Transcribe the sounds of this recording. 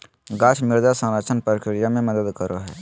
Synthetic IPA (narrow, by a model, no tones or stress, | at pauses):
ɡaːt͡ʃʰmɪɾd̪asə̃ɾat͡ʃʰənpəɾkɾɪɾijamẽməd̪əd̪kəɾoɦɛː